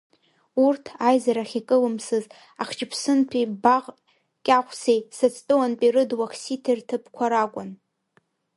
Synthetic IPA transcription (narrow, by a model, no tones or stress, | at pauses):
urtʰajzaɾaχʲikʼɨlɨmsɨz | aχt͡ʃʼɪpʰsɨntʰibaʁ | kʲʼaχʷsejsɨt͡sʰʼtʼɨwanpʼirɨdwakʰsitʰertʰɨpʰkʷʰaɾakʷʼʊn